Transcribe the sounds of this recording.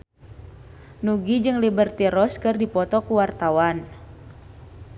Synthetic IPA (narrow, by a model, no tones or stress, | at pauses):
nuɡid͡ʒɨŋlibərt̪iɾɔskɨrdipɔt̪ɔkuwart̪awan